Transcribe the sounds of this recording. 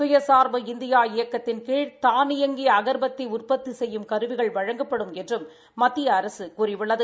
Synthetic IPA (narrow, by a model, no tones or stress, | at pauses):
sʊjɐsaːɾʋɐɪnd̪ɪjaːɪjɐkːɐt̪ːɪnkeːɻt̪aːnɪjɐŋɡiɐɣɐɾbɐt̪ːiʊrpɐt̪ːisɛjːɯmkɐɾɯʋɪɣɐɭʋɐɻɐŋɡɐpːɐɽɯmɛndrɯmː | ɐt̪ːɪjɐːɾɐsɯkurɪʋɯɭːɐðɯ